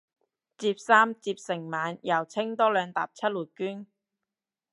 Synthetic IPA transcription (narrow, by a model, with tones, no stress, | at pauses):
t͡siː˧p̚saː˥mt͡siː˧p̚sɪ˨˩ŋmaː˨˧njɐ˨˩wt͡sʰɪ˥ŋt̪ɔː˥lœː˨˧ŋt̪a̰ː˨p̚t͡sʰɐ˥t̚luː˨˩t̚kyː˥n